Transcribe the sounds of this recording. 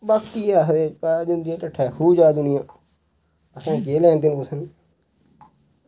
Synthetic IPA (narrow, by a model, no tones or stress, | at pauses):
baːkːiaːɦɾeːpaːd͡ʒ̪ʊnd̪iãːʈəʈʰːɛːhuːd͡ʒaːd̪ʊnɪjãː | əsãːkeːlɛ̃ːnt̪ɪnkosən